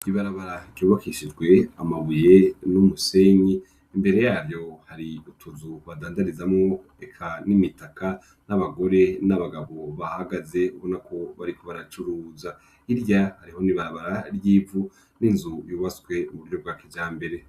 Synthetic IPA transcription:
iβaɾaβaɾaɾjuːβakʰiʃid͡ʒɡwe̞amaβujenumuse̞ɲiː | mbe̞ɾe̞jaːɾjo̞haɾiutʰuzuβadaːndaɾizamŋo | ekʰanimitakʰa | naβaɡo̞ɾe̞naβaɡaβo̞βahaɡaze̞uβo̞nakʰo̞βaɾikʰoβaɾat͡ʃuɾuːza | iɾjahaɾiho̞niβaɾaβaɾaɾjiːvu | ninzujuːβasɡwe̞uβuɾjo̞bɡaːkid͡ʒaːmbe̞ɾe̞

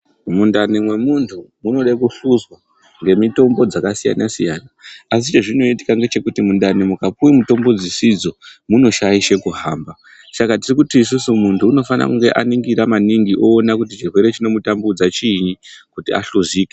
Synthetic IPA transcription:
mundanimwe̞muntʰumuno̞ɗaikuɬuzwa | ŋɡe̞mito̞mbo̞d͡zakasija̰nasija̰naas̬it͡ʃe̞ʐino̞iti̥kaŋɡe̞t͡ʃe̞kutimundanimukapuimuto̞mbod͡zisid͡zo̞muno̞ʃajiʃe̞kuɦaːmba | t͡ʃakatirikutiːs̬usumuntʰuːno̞fana̰kuŋɡe̞ʔa̰niŋɡiɾamaniŋɡiʔo̞ːnakutit͡ʃirwe̞ɾe̞t͡ʃino̞mutambud͡zat͡ʃiɲikutia̰ɬuziːke

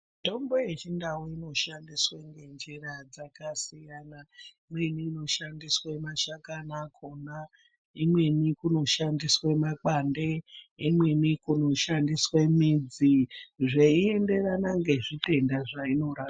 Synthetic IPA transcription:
to̞mbo̞je̞t͡ʃindawoino̞ʃandisweŋɡe̞nd͡ʒirad͡zakasijanaimwe̞niːno̞ʃandiswemaʃakanakʰo̞na | imwe̞nikuno̞ʃandiswemak͡pande̞imwe̞nikuno̞ʃandiswemid͡ziʐeie̞nde̞ranaŋɡe̞ʐite̞ndaʐaino̞ɾa

